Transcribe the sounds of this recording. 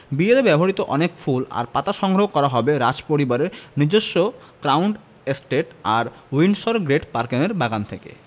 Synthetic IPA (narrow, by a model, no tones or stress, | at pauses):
bielebɛbʱɦoɾit̪oʔɔnekfula̰ɾpat̪aʃɔŋɡɾoɦoɡkɔɾaɦɔbeɾad͡ʑpoɾibaɾeɾnid͡ʑoʃːo | kɾawɳɖ | esʈeʈaɾ | winʃoɾɡɾeʈpaɾkineɾbaɡant̪ʰekḛ